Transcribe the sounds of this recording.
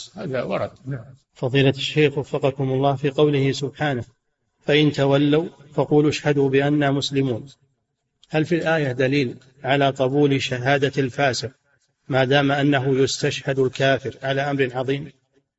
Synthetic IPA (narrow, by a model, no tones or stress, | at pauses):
haːðawɑ̰ɾˤɑd̪na | fɑðˤiːlaaʃːeːxwafːɑqɑkʊmʊlˤːɑːhfiːqɑwlɪhɪsʊbħaːna | faʔɪnt̪awalːawfɑquːlʔaʃhad̪uːbɪʔanːaːmʊslɪmuːn | halfilʔaːjad̪aliːl | ʕalaːqɑbuːlʃaɦaːd̪alfaːsɪq̚ | maːd̪aːmaʔanːaɦʊjʊst̪aʃhad̪alkaːfɪɾʕalaːʔamɾʕɑðˤiːm